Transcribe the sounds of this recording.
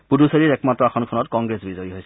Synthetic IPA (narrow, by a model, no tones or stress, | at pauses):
puduseɹiɹɛkmatɹɔaxʰɔnkʰɔnɔtkɔŋɡɹesbizɔjiɦojsɛ